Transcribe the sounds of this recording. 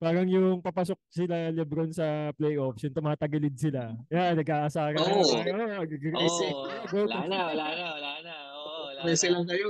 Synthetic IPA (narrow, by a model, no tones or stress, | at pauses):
paːɾɐŋjʊŋpɐpɐsok̚sɪlalɪbɾonsɐplɛjʔofsjʊŋt̪ʊmaːt̪ɐɡɐlɪd̪̚sɪlajanɐɡʔaːʔɐsaːɾɐɐoɐɡɡɾɛsɛɡowʊnalanalanaʔ | bɛːsɛlɐŋkɐjo